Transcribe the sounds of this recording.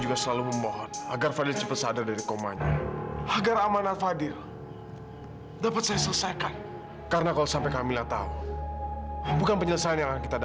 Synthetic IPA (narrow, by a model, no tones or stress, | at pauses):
d͡ʒuɡasəlaluməmɔɦɔnaɡarfadɪrt͡ʃəpat̪̚sadadaɾikoma̰ɲaaɡaɾamanafadɪr | dapat̪̚sajasələsajkan | kaɾənakalosampajkamilaht̪a̰u | bukanpəɲələsaanjaŋkit̪ad